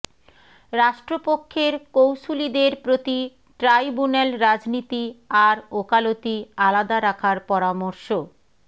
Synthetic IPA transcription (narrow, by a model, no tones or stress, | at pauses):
ɾaʃʈɾopokʰːeɾkowʃulid̪eɾpɾot̪i | ʈɾajbunelɾad͡ʑnit̪iaɾokalot̪ialad̪aɾakʰaɾpɔɾamoɾʃo